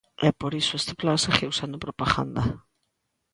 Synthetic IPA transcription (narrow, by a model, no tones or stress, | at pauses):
ɛpoɾisʊest̪ɪ̥plansaxewsand̪ʊpɾopaɣa̰nd̪a